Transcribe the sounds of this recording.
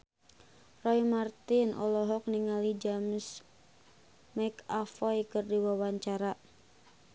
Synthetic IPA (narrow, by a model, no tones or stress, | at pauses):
rɔimart̪ɪnʔɔ̰lɔɦɔk̚niŋalid͡ʒams | makafɔjkərdiwawaɲt͡ʃaɾa